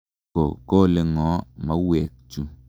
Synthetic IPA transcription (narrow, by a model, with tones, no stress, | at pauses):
o˨ko˦˨le˨ŋɔ̃˨˦mã˦wɛ˨kt͡ʃu˦